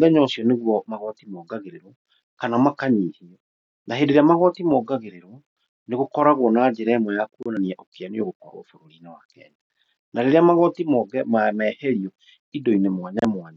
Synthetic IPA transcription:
ðɛɲɔsiɔneɣwɔmaɣɔtimɔɡaɣeɾeɾɔ | kanamakaɲiːhiɔ | naɦedeɾeamaɣɔtimɔːɡaɣeɾeɾɔ | neɣokɔɾaɣwɔnad͡ʑeɾɛɛmwɛjakuonaniɛʔɔkeaneoɣokwa̰ɾɔ̰foɾoɾiːnawakɛ̰ɲa | naɾeɾeamaɣɔtimɔɡɛmamɛhɛɾiɔ | idɔinemwaɲamwaɲa

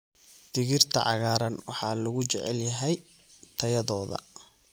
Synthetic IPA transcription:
d̪̥ɪɣɪrt̪ʰɐ̰ʕɑ̰ɣaːɾɐnwɑħɑlʊɣʊt͡ʃɛʕɛ̰ljɐɦɛj | t̪ʰɐjɐðɔːðɐ̰

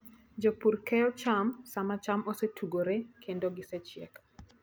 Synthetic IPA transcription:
d͡ʒopuɾkɛjɔt͡ʃamsamat͡ʃamosetʰuɡoɾekʰendoɡɪsɛt͡ʃɪɛ̰k

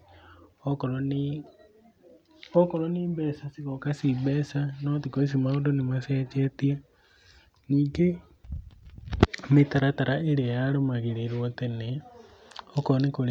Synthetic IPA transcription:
ɔkoɾoniːmbɛsasiɣokasiβesanotikois̬imaodonimaseːt͡ʃetia | niːŋɡe | mitaɾataɾaeɾiejaɾomaɣeɾeɾwotene | okoɾonikoɾ

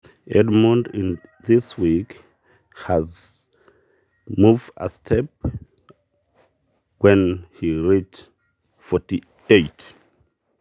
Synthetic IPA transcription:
ʔɛdmə̃ndɪ̃nðiswik | həz | muvdə̰stʰɛp̚ | wɛ̃nhiɹit | fɔti | eɪt

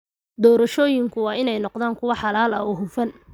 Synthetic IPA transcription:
d̪ɔːɾɐʃɔːjɪŋkʰʊwɑːɪnɛjnɔqd̪aːŋkʰʊwɑħɑlaːlɐɔːɦʊfɐn

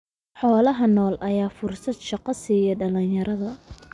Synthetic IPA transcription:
ħɔːlɐɦɐnɔːlʔɐjaːfʊrsɐd̪ʃɑqɑsiːjɐɖɐlɪnjɐɾʔɐðɐ

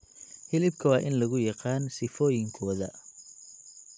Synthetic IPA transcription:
hɪlɪb̚kʰɐwɑːʔɪnlɐɣʊjɑqɑːnsɪfɔːjɪŋkʰɔːðɐ̰

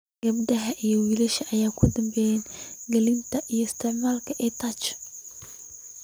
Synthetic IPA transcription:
ɡɐbd̪ɐɦɐʔijɔwiːlɪʃɐʔɐjaːkʰʊd̪ɐŋɡɛjɛnɡɐlɪnt̪ʰɐʔijɔɪst̪ʰɪʕmaːlkʰɐʔɛt̪ʰaːt͡ʃ

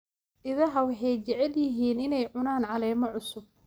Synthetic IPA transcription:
ʔɪðɐɦɐwɑħɛjt͡ʃɛʕɛljɪɦiːnɪnɛjʕʊnaːnʕɑlɛːmɐʕʊsʊb̚

